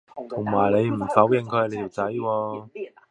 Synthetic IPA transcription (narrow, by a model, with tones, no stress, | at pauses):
t̪ʰʊ˨˩ŋmaː˨˩jle˨˧jm̩˨˩fɐ˨˥wjɪ˨ŋkʰɵ˧le˧t̪ʰːwt͡sɐ˨˥jwɔː˧